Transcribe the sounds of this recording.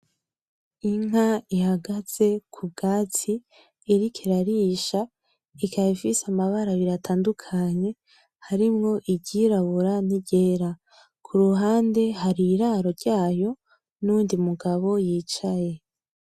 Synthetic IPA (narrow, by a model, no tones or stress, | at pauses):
iŋɦaihaɡaz̥e̞kʰub̚ɡaːtiː | ɾikʰiɾaɾiʃa | ikʰaifisamaβaɾaβiɾatʰaːndukʰaɲe̞ | haɾimŋo̞ʔiɟiɾaβuɾaniɟe̞ːɾa | kʰuɾuɦaːnde̞ɦaɾiɾaːɾo̞ɾɟaːjo̞ | nuːndimuɡaβo̞jiːt͡ʃaje̞